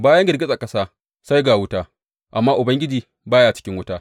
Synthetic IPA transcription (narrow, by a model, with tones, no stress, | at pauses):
baː˦jɐ˦ŋɡʲɪ˨ɾɡʲɪ˦zʼa˨kɐ˦saː˦ | sa˦jɡaː˨wʊ˦taː˦ | ʔa˨mːaː˦ʔʊ˨bɐ˦ŋɡʲɪ˦d͡ʒiː˨ | baː˦jaː˨t͡ʃɪ̥˦kʲɪ˦ŋwʊ˦taː˦